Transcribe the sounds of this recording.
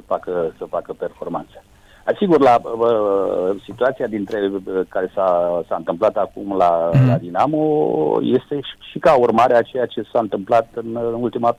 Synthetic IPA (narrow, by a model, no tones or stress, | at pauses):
əfakəsəfakəpe̞rfo̞rma̰nt̪sə̥ | asiɡurlaəsit̪uat̪sijad̪int̪ɾe̞kaɾe̞sasaɨnt̪ɨmplat̪akumlala̰d̪inamoje̞st̪e̞̥ʃikaurmaɾeat͡ʃe̞jat͡ʃe̞saɨnt̪ɨmplat̪ɨnnult̪ima